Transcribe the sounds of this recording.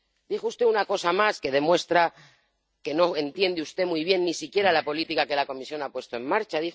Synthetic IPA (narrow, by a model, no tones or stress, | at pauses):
d̪ixust̪e̞unako̞samaske̞ðe̞mwe̞st̪ɾa | ke̞no̞e̞nt̪je̞nd̪eust̪e̞mujβ̞je̞nːisikje̞ɾalapo̞lit̪ikake̞lako̞misjo̞napwe̞st̪o̞e̞mmaɾt͡ʃaði